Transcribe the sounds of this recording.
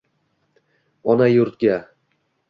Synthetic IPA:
ɒnajʊɾt̪̚ɡʲa

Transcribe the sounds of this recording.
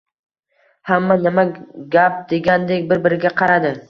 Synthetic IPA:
hamːanɪmaɡʲap̚d̪e̞ɡʲand̪ekʲbɪɾbɪɾɪɡʲaqʰɑɾad̪ɪ

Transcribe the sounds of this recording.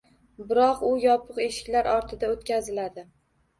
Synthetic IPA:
bɪɾɒqʊjɒpʰɨqe̞ʃɪ̥kʲlaɾɒɾt̪ʰɪd̪aot̪kʲazɪlad̪ɪ

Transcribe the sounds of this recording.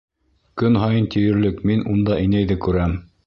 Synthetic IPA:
kɵnɦɑjɤnt̪ijɘ̆ɾlɘkminund̪ɑʔɘ̆jnæjðɘkʉɾæm

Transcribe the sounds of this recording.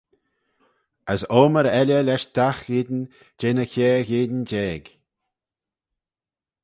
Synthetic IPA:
əsoːməɾɛlʲəlɛʃd̪̥axɪd̪n | d͡ʒeːnəkʲɛːɹɣeːd̪nd͡ʒɛːɡ̥

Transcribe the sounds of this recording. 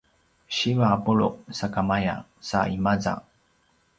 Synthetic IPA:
ɕivaːbuɭṵʔsakamaja̰saimaza̰

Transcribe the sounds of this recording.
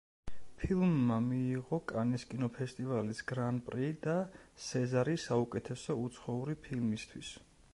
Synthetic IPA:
pʰilˠmːamiːʁɔkʼaniskʼinɔpʰɛst̪ʼivalisɡɾanpʼɾid̪asɛzaɾisaukʼɛt̪ʰɛsɔut̪sʰχɔuɾipʰilmist̪ʰwis

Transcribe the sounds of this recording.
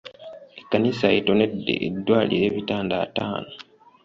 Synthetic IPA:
ekːanisaeto̞ne̞dːḛʔedːwaːlḭɾe̞ːβitaːnda̰ːta̰ːno

